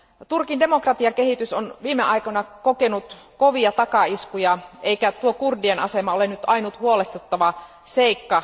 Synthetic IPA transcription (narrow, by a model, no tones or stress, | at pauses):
t̪urkinde̞mo̞krɑt̪iɑke̞hit̪ysonʋiːmeʔɑikonɑkokenut̪ | koʋiɑt̪ɑkɑiskujɑʔeikæt̪uokurdienɑsemɑolenyt̪ɑinut̪huole̞st̪ut̪ːɑʋɑ | seikːɑ